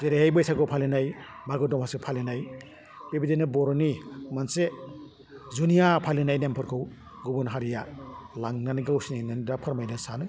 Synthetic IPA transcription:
zeɾehajbɯjsakɯwpʰalenajmaɡɯdɔmhasipʰalinaj | pebidenɯbɔɾɔnimɐnse | zunijapʰalinajnempʰɯɾkʰɯw | ɡubɔnɦaɾijalaŋnaniɡawsninandapʰɐɾmajdasanɯ

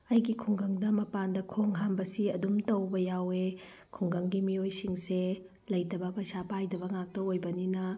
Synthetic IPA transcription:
ɐjɡikʰuŋɡɐŋdɐmɐpandɐkʰoŋɦambɐsiɐdumtɐwbɐjawe | kʰuŋɡɐŋɡimiojsiŋse | lɐjtɐbɐpɐsapajdɐbɐŋak̚tɐojbɐninɐ

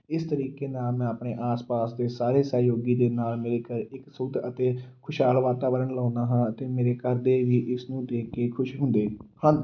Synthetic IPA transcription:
ɪst̪əɾiːkeːnaːlmɛ̃ːapɳeːʔaːspaːsd̪eːsaːɾeːsəːjoːɡiːd̪eːnaːlmeːɾeːkəɾɪksʊɡd̪ət̪eːkʰʊʃɦaːlʋaːt̪aːʋəɾənlãːnaːɦãːət̪eːmeːɾeːkəɾd̪eːʋiːʔɪsnũːd̪eːkːeːkʰʊʃɦʊ̃nd̪eːhə̃n

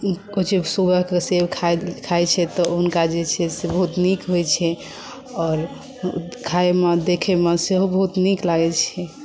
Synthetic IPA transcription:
kot͡ʃebsuɡəɦkesebkʰakʰajt͡ʃʰɛt̪ɔunkad͡ʒet͡ʃʰɛsebəɦut̪nikɦojt͡ʃʰɛ | ɔːɾ | kʰaemed̪ekʰemeseɦobəɦut̪niklaɡɛt͡ʃʰɛ

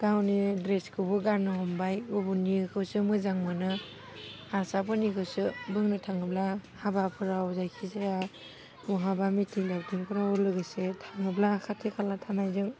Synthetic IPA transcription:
ɡ̥awnidɾeskʰɯbɯɡaɾnɯhɔmbajubunikʰɯwsɯmɯzaŋmɯnɯ | aɾsabɯnikʰɯwsɯbɯŋnɯtʰaŋɯblahabapʰɯɾaɔzajkʰizaja | mɔɦabamitʰiŋlab̚tʰiŋpʰɯɾaɔlɯɡɯsetʰaŋɯblakʰatʰekʰalatʰanajzɯŋ

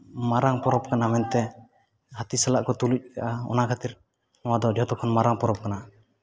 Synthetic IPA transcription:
maɾaŋpɔɾɔb̚kanamɛnt̪ɛ | hat̪isalaʔkɔt̪uluc̚kaʔaɔ̰nakʰat̪iɾ | nɔwad̪ɔd͡ʒɔt̪ɔkʰɔnmaɾaŋpɔɾɔp̚kana

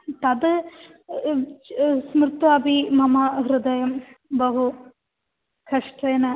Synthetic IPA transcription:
t̪ɐd̪ | smɾɪt̪ʋɐbʱimɐmɐɦɾud̪ɐjɐmbɐɦu | kɐʂʈɾeːnɐ

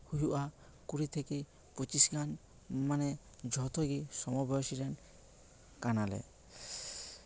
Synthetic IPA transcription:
huɦuʔa | kuɾit̪ʰeki | pɔt͡ʃisɡʱan | manɛ | d͡ʒʱɔt̪ʰoɡisɔmɔbɔsiɾɛn | kanalɛ̰

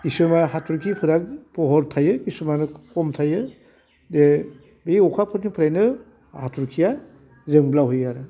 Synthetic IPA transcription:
kisɯmahatʰuɾkʰipʰɯɾak̚pʰɔɦɔɾtʰajɯkisɔmanɯkʰɔmtʰajɯ | de | bejɔkʰapʰɯɾnipʰɯɾajnɯ | hatʰuɾkʰija | zɯŋblawɦɯjaɾɯ

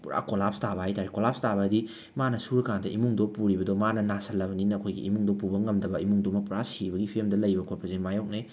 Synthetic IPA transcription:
pɾa̰kolapstabɐɦajtaɾekolap̚stabɐdi | manɐsuɾkandɐimuŋdopuɾibɐdomanɐnasɐlːɐbɐninɐːkʰojɡḭimuŋdopubɐŋɐmdɐbɐimuŋdomɐpuɾasibɐɡipʰimdɐlɐjbɐkʰopɾɐzenmajok̚ne

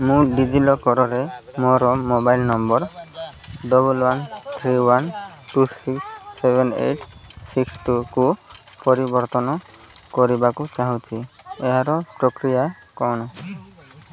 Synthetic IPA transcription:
mũɖid͡ʒilɔkɔɾɔɾemoɾɔmobajlnɔmbɔɾ | ɖɔbulwant̪ʰɾiwanʈusiksːebʱenḛjʈʰsiksʈuku | pɔɾibɔɾt̪ɔnɔ | kɔɾibakut͡ʃaɦũt͡ʃʰi | eɦaɾɔpɾɔkɾija | kɔɽ̃ɔ

